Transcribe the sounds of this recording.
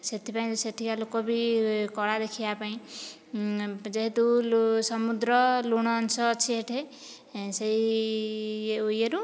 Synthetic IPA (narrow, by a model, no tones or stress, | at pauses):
set̪ʰipaĩtset̪ʰikalukobikɔɽad̪ekʰijapaĩ | d͡ʒeɦet̪ulsɔmud̪ɾɔluɽ̃ɔːnsɔːt͡ʃʰiɦeʈʰe | sej | ujeɾu